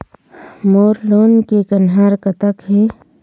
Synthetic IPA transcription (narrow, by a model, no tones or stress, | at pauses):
moːɾloːnkekənɦaːɾkət̪əkɦeː